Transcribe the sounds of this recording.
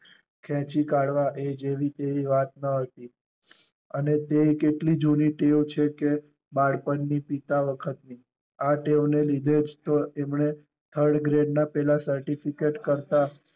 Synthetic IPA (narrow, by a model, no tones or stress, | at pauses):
kʰɛ̃t͡ʃikaɽʋaʔed͡ʒeʋit̪eʋiʋat̪̚nəɦət̪i | ənet̪eikeʈlid͡ʒuniʈewt͡ʃʰeke | baɽpənːipit̪aʋəkʰət̪ni | aʈeʋnelid̪ʱed͡ʒt̪oemɳe | t̪ʰəɾɖɡɾeɖnapɛlasəɾʈifikeʈkəɾt̪a